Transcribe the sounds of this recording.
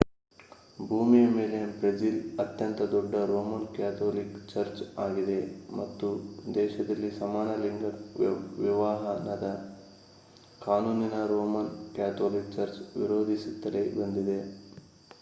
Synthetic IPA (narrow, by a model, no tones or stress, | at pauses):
bʱuːmijɐmeːlebɾɐd͡ʒilɐt̪jɐnt̪ɐd̪ɔɖːɐɾoːmɐnkjaːt̪ʰoːlikt͡ʃɐɾt͡ʃaːɡid̪e̞mɐt̪ːud̪ɛːʃɐd̪ɐlːisɐmaːnɐliŋɡɐɾʋiʋaːɦɐnɐd̪ɐ | kaːnuːninɐɾoːmɐnkjaːt̪ʰoːlik̚t͡ʃɐɾt͡ʃʋḭɾoːd̪ʱisit̪ːɐlebɐnd̪id̪e̞